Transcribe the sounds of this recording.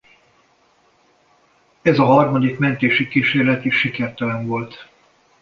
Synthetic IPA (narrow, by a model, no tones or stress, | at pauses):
ɛzɒɦɒrmɒd̪ikmɛnt̪eːʃikiʃeːrlɛt̪iʃːikɛrt̪ɛlɛɱvo̞lt̪